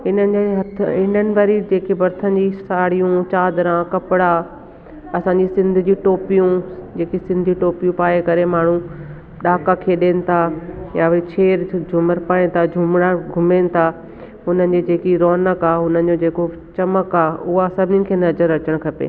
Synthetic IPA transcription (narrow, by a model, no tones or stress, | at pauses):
ɦɪnənɪ̆d͡ʑeɦɐt̪ʰɪnənɪ̆ʋɐɾid͡ʑeːkebɐɾt̪ʰən̆d͡ʑisaːɽ̤ijũt͡ɕaːd̪ɾãkɐpɪɽa | ɐsãːɲd͡ʑisɪ̃nd̪ʱɪ̆d͡ʑiːʈoːpijũd͡ʑeːkisɪ̃nd̪ʱiʈoːpijũpaːekɐɾemaːɳ̤ũ | ɗaːkakʰeːɗeːnɪ̆t̪ʰajaʋɐit͡ɕʰeːɾd͡ʑʱʊməɾpaːint̪ʰad͡ʑʱʊmɽ̃aɡʱʊmeːnɪ̆t̪ʰa | ɦʊn̤ənɪ̆d͡ʑed͡ʑeːkiɾɔːnəkaːʊnənɪ̆d͡ʑod͡ʑeːko | t͡ɕɐməkaːʊɦasɐbʱɪnɪkʰeːnɐzəɾɐt͡ɕəɽ̃kʰɐpḛː